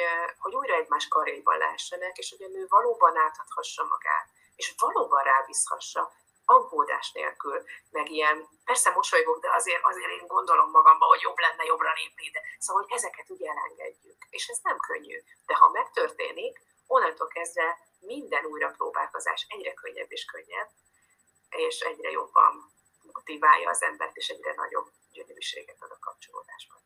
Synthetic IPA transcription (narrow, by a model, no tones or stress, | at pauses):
ho̞ɟuːjɾɒɛɟmaːʃkɒɾḛjbɒ̰nlɛ̰ɦɛʃːɛnɛkeːʃoɟɒnøːvɒloːbɒnaːt̪ɒt̪hɒʃːɒmɒ̰ɡ̥a̰ːt̪̚ | eːʃovɒloːbɒnraːvishɒ̰ʃːɒ | ɒŋɡoːd̪a̰ːʃnḛːlkylmɛɡijɛn | pɛrsɛmo̞ʃojɡoɡd̪ɛɒzeːɾʔɒzeːɾeːŋɡo̞nd̪o̞lo̞mːɒɡɒmbɒɦo̞ɟjo̞blɛnːɛjo̞brɒleːpnid̪ɛsooɟɛzɛkɛt̪uːɟɛlɛ̰ŋɡɛ̰ɟːykeːʃɛznɛmkʰøɲːy̰ | d̪̥ɛhɒ̰mɛkt̪ø̞rt̪eːnik | onːɒnt̪olkɛzd̪vɛ | mind̪ɛnuːjrɒproːba̰ːlko̞za̰ːʃɛɟrɛkø̞ɲːɛ̰bːeːʃkøɲːɛbː | eːʃɛɟrɛ̰jo̞bːɒ̰n | mo̞t̪ivaːjːɒːzɛmbɛ̰rt̪eːʃɛɟrɛnɒ̰ɟo̞̰b | ɟønøɾiʃḛːɡɛt̪ɒd̪ɒkɒp̚t͡ʃo̞lo̰ːd̪aːʒbɒn